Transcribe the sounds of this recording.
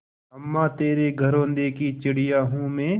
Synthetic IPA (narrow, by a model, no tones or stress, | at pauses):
ɐmːaːt̪eːɾeɡʱɐɾõːnd̪eːkit͡ʃɪɽɪjaːɦũmẽː